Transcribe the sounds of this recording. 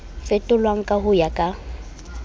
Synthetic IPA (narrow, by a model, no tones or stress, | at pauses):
fɛtʼʊlwaŋ̩kʼahʊjakʼa